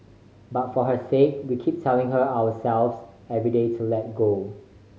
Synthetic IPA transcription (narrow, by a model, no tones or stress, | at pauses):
batfɔɦəsek̚wikʰip̚tʰɛlɪ̃ŋɦəawəsɛlvs | ɛvɹidetʰulɛt̚ɡo